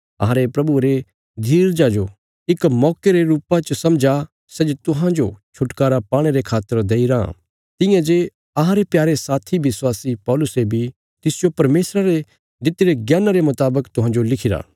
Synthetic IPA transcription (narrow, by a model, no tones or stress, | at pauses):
ɐ̰ɦãɾepɾɐbuɾe | d̪ʱiːɾd͡ʒad͡ʒo | ɪkmɔːkeɾeɾuːpãt͡ʃsɐ̃md͡ʒa | sɛd͡ʒt̪ʊɦãd͡ʒot͡ʃʰʊʈkaːɾapaːɽ̃eɾekʰaːt̪ːəɾd̪eːiɾã̰ | t̪ɪjãd͡ʒe | ɐɦãɾepjaːɾesaːt̪ʰiʋɪswaːsipɔːlʊsebʱi | t̪ɪsd͡ʒopɐɾmeːsɾaɾe | d̪ɪt̪ːeɾeɡjaːnaɾemʊt̪aːbəkt̪ʊɦãːd͡ʒolɪkʰɪɾa̰ː